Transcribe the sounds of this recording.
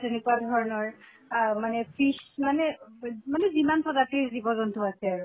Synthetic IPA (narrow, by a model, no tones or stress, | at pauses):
tenikuadʱɔɹɔnɔɹ | manɛpʰiʃmanɛmanɛzimanpʰɔzateɹzibɔzɔntɔasɛaɹu